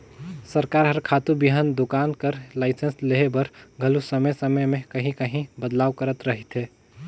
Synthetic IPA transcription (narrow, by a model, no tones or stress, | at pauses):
səɾkaɾɦəɾkʰat̪ubiɦənd̪okaːnkəɾlaɪsensleɦebəɾɡʱəlusəməjsəməjmẽkəɦĩkəɦĩbəd̪laːʋkəɾət̪ɾəɦit̪ɦeː